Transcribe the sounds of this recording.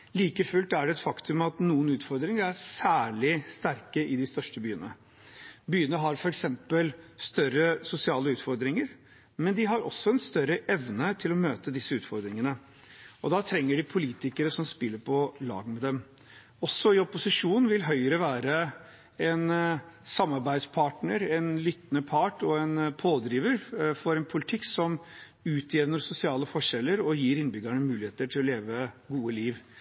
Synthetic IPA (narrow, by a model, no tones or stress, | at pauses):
liːkəfʉlt̪æɖɛɛt̪fɑkt̪ʉmɑt̪nuːənʉːt̪fɔɾd̪ɾɪŋəɾæɾsæːɭɪst̪æɾkəʔɪd̪ɪst̪œʂʈəbyːənə̰ | byːənəɦɑɾfɔɾɛksɛmpəlst̪œɾəsʊsɪɑːləʉːt̪fɔɾd̪ɾɪŋəɾ | mɛnd̪ɪɦɑɾɔ̰sːɔɛnst̪œɾəʔɛʋnət̪ʰɪlɔmøːt̪əd̪ɪsːəʉːt̪fɔɾd̪ɾɪŋənə | ɔd̪ɑt̪ʰɾɛŋːəɖɪpʰʊliːt̪ɪkəɾəsɔmspɪlːəɾpʰɔlɑ̰ːɡəmɛd̪ɛm | ɔsːɔɪɔpʊsɪʂuːnʋɪlɦœʏəɾəʋæːɾə | ɛnsɑmːɑɾbæɪd̪spʰɑːʈnəɾɛnlyt̪nəpʰɑːʈɔɛnpʰoːd̪ɾiːʋəɾfɔɾɛnpʰʊlɪt̪ʰɪkːsɔm | ʉːt̪ʰjɛʋnəɾsʊsɪɑːləfɔʂɛlːəɾɔjiːɾɪnbʏɡaɳəmʉːlɪheːt̪əʈʰɪlɔleːʋəɡuːəliːʋ